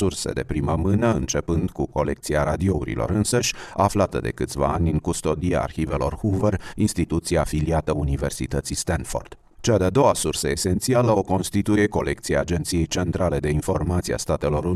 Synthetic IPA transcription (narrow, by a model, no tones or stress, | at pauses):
ursḛd̪e̞̰pɾiməmɨnəɨnt͡ʃe̞pɨnd̪kuko̞̰le̞k̚t̪siaɾad̪io̞ṵɾḭlo̞̰ɾɨnsəʃʲaflat̪əd̪e̞̰kɨt̪sʲva̰anʲɨŋkust̪o̞d̪ia̰ːrxive̞lo̞̰rhuvərinst̪it̪ut̪siaːfiliat̪əunive̞rsit̪ət̪sist̪anfo̞̰rd̪̥ | t͡ʃad̪ead̪o̞wasursəese̞nt̪sialəo̞ko̞nst̪it̪uje̞ko̞̰lʔe̞k̚t̪siaːd͡ʒe̞nt̪sije̞jt͡ʃe̞nt̪ɾale̞d̪e̞info̞rmat̪sia̰st̪at̪e̞lo̞ɾu